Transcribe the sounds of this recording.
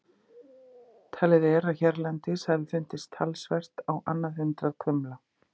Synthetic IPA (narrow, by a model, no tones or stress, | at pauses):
t̪ʰalɪðɛɾaðçɛɾlɛnt̪ɪsalfɪn̥t̪ɪst̪ʰalsvɛr̥t̪awʔa̰nːaðʏnt̪ɾaðkʰʏmla